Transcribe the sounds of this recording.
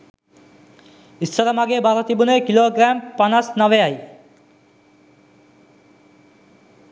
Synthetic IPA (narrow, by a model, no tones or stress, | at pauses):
ist͡ʃaɾamaɡebaɾot̪ibunekiloɡɾampanasnɔʋeaj